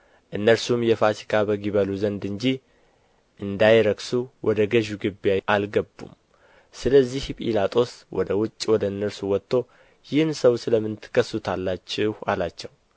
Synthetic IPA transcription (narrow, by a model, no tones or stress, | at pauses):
ʔɨnːəɾsumjɛfat̪ʰi̥kʰabəɡiβəluzənd̪ɨɲd͡ʒi | ʔɨnd̪ajɾəksuwʔɔd̪əɡəʒuɡɨbjaʔalɡəbːṵm | sɨləzːihpʼḭlat̪ʼo̞swɔ̰d̪əwʊt͡ʃʼːwɔd̪əɨnːəɾsuwɔt̪ʰʼːo̞ | jɪhnsəwsɨləmːɨnt̪ʰɨ̥kʰːəsːut̪ʰalːat͡ʃːɛhalat͡ʃːɛw